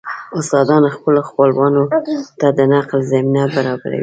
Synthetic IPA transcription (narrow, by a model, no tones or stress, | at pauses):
ʊst̪ɑd̪ɑnaxpəloxpəlwɑnot̪ad̪ənaqlzaminabaɾɑba̰ɾa̰wḭ